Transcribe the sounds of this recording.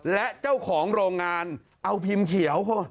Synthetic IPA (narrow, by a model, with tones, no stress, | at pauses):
lɛ˦˥ʔt͡ɕa˥˩wkʰɔː˩˦ŋɾoː˧ŋːaː˧n | ʔa˧wpʰi˧mkʰi˨˩˦ə˦wpʰo˦˥˩